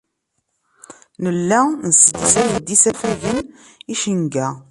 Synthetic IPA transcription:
nəlːænsəd̪isæjəd̪isæfæʝən | iʃəŋɡæ

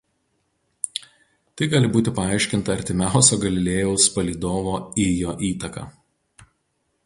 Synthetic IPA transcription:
t̪ɐɪɡɑːlʲɪbuːt̪ʲɪpɐɑˑɐˑɪʃʲkʲɪnt̪ɐɐɾʲt̪ʲɪmʲæˑʊsʲoːɡɐlʲɪlʲeːjɛʊspɐlʲiːd̪oːʋoːijoːʔiːt̪ɐkɑ̰ː

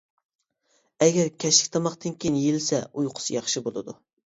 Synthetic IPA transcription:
ɛɡʲɛɾkʲʰɛʃɪ̥kʲt̪ʰɑmɑχt̪ɨnkʲejnjelɪsɛ̰ujqʰʊ̥sɨjɑχʃibolˠɨd̪u

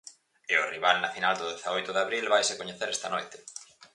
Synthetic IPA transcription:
eʊriβalnɐfinald̪ʊðeθaojt̪ʊðaβɾilβajsekoɲeθeɾɛst̪ɐanojt̪ɪ̥

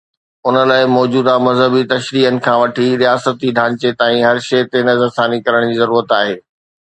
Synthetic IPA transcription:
ʊnə̆laːɪmɔːd͡ʑuːd̪amɐzɦəbit̪ɐʃɾiːɦənɪ̆kʰãːʋɐʈʰiɾijaːsət̪iɖʱaːɲt͡ɕet̪aːĩɦɐɾʃɐːt̪enɐzəsaːnikɐɾəɽ̃d͡ʑiːzɐɾuːɾət̪aːɦeː

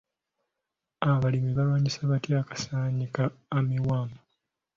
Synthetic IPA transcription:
aβalimiβalwaːɲisaβatjakḁsaːɲikaːmiwaːma

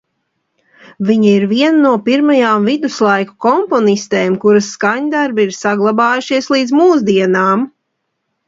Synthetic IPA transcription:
viɲaiɾviɛnanuɔpiɾmajaːmvid̪uslˠajku̥kɔmpɔnist̪eːmkuɾasːkaɲd̪aɾbiiɾsaɡlˠabaːjuʃiɛslˠiːd̪zmuːs̬d̪iɛnaːm

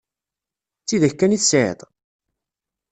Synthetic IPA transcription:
t͡sːiðæçkːæniθsʕḛt̪ˤ

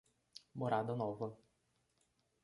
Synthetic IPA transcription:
mɔɾad̪ɐnɔvɐ

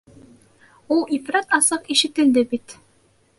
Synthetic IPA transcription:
ulˠifɾɑt̪ɑsɤqiʃɘ̆t̪ɘ̆ld̪ɘbit̪

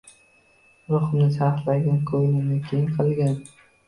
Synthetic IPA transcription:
ɾʊχmnɪsaχt̪laɡʲankʰojlɪnɪkʲʰejɪŋqʰɨlˠɡʲan

